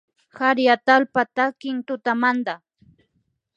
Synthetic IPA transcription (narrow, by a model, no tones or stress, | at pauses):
haɾjat̪alpat̪akɪnt̪ʊt̪amand̪a